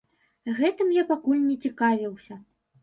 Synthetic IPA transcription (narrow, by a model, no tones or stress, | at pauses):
ɣɛt̪ɨmjapakulʲnʲɛt͡sʲikavʲiwsʲɐ